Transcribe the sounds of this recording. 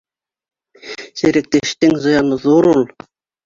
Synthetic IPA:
sĕɾɘ̆k̚t̪ĕʃt̪ɘŋzɤ̆jɑnɤðuɾulˠ

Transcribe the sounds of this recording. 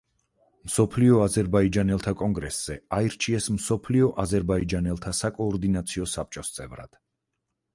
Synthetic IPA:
msɔpʰliɔazɛɾbaid͡ʒanɛlˠt̪ʰakʼɔŋɡɾɛsz̥ɛaiɾt͡ʃʰiɛsmsɔpʰliɔʔazɛɾbaid͡ʒanɛlˠt̪ʰasakʼɔːɾd̪inat̪sʰiɔsap̚t͡ʃʼɔst̪sʼɛvɾa̰d̪̥

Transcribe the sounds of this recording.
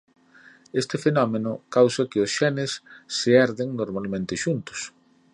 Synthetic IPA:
est̪ɪfenɔmenʊkawsɐkɪʊsʃɛnɪsːɪɛɾðɪŋnoɾmalmẽnt̪ɪʃunt̪ʊ̥s

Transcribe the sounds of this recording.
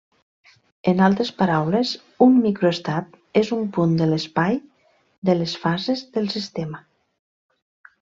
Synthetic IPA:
ənalˠt̪ɾespaɾawlez | umːikɾoest̪at̪ | ezumpund̪ələspaj | ðələsfazezðəlˠsist̪emə

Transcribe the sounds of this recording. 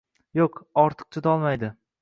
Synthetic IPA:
joqɒɾt̪ʰɨ̥q̚t͡ʃʰʊd̪ɒlˠmajd̪ɪ

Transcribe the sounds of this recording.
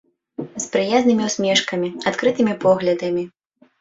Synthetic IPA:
spɾɨjaznɨmʲiwsʲmʲɛʂkɐmʲiat̪kɾɨt̪ɨmʲipɔɣlʲɐd̪ɐmʲi

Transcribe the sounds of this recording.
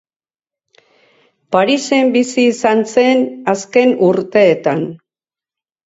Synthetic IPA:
paɾise̞mbisiːsanse̞naske̞nuɾt̪e̞ːt̪an

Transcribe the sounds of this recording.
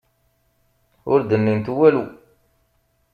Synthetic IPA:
ʊɾd̪ənːimt̪uwælu

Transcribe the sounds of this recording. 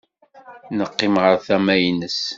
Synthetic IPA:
nəqːɪmʁəɾθæmæjnəs

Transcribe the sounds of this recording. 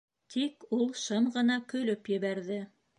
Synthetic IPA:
t̪ʰikulˠʃɤmʁɤ̆nɑkɵ̆lɵpjɘ̆βæɾðɘ

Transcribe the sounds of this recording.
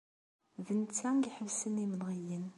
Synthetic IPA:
vənt͡sːæŋɡiħəlsəniməlʁijən

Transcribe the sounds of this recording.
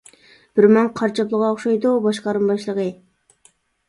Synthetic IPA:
b̥ɪɾmɑŋqʰɑɾt͡ʃʰɑplˠəʁɑoχʃɑjd̪ubɑʃqɑɾɯmbɑʃlˠəʁə

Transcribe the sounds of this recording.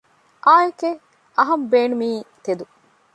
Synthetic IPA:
ʔaːjeke | ɐɦɐmbeːnumiːt̪ed̪u

